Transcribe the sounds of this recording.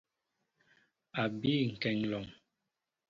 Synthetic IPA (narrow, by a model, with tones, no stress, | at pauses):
a˨bi˦˨ŋ̩˨kɛ˨ŋlɔ˨ŋ